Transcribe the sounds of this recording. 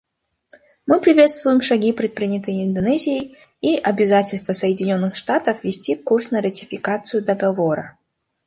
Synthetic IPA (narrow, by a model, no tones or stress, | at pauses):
mɨpɾʲɪvʲe̞t̪st̪vʊjɪmʂɐɡʲipɾʲɪt̪̚pɾʲinʲɪt̪əjɪnd̪ɐnɛzʲɪjɪj | iʔɐbʲɪzatʲɪlʲst̪vəsəjɪdʲɪnʲo̞nːɨxʂt̪at̪əfvʲɪsʲtʲikursnəɾətʲɪfʲɪkat̪sɨjʊd̪əɡɐvoɾə